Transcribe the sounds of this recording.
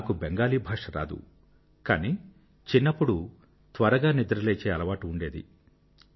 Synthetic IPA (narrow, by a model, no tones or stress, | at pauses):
aːkubeŋɡaːliːbʱɐːʂɐɾa̰ːd̪ṵ | kaːni | t͡ʃinːɐpːuɽu | t̪ʋɐɾɐɡaːnid̪ɐɾɐleːt͡ʃeːɐlɐʋaːʈiuɳɖe̞ːd̪ḭ